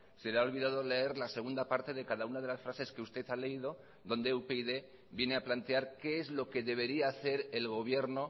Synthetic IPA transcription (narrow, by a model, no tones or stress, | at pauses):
se̞leaolβiðaðo̞le̞e̞ɾlase̞ɣ̞und̪apaɾt̪e̞ðe̞kaðaunað̞e̞lasfɾase̞skeust̪e̞θale̞iðo̞ | ðo̞nd̪eupeiðe̞ | bje̞ne̞aplant̪eaɾke̞ezlo̞ke̞ðe̞β̞e̞ɾiaːθe̞ɾe̞lɣo̞β̞je̞ɾno̞